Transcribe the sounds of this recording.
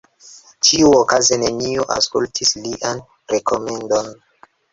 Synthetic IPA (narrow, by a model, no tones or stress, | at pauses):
tʰiuokazeneniuʔa̰skultʰisliʔan | ɾekʰo̞me̞ndon